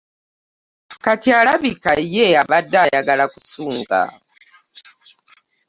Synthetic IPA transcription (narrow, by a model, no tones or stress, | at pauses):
katʰiaɺaβikajɛaβadajaɡalakusuːŋɡa̰